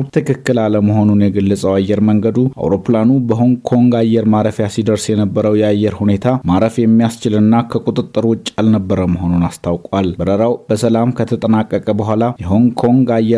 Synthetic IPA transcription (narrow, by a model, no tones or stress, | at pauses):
t̪ʰɨkʰɨkːɨlaləməɦo̞nunjɛɡəlːəsʼəwajːɛɾməŋɡəd̪uʔa̰wɾo̞planubəɦo̞ŋkʰo̞ŋɡajːɛɾmaɾəfjasid̪əɾsjɛnəbːəɾəwjɛajːɛɾhune̞t̪ʰamaɾəfjɛmːijast͡ʃɪlɨnːakʰəkʼut̪ʼɨt̪ʼːɨɾwɨt͡ʃʼːalnəbːəɾəməɦo̞nunast̪ʰawkʼalbəɾəɾawbəsəlamkʰət̪ʰət̪ʼənakʼːəkʼəbəɦʷalajɛɦo̞ŋkʰo̞ŋɡajːɛ